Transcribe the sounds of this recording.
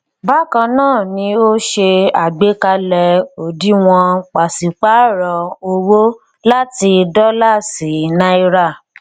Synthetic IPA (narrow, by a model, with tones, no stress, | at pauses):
ba˦˨kã˧nãː˦˨nĩ˧o˦ʃe˧a˨ɡ͡be˨˦ka˧lɛ˧o˨di˦w̃ɔ̃˧k͡pa˨si˨k͡pa˦ɾɔ˨o˧wo˦ | la˦ti˧dɔ˦la˦˨si˨˦nã˧˦i˧ɾa˦˨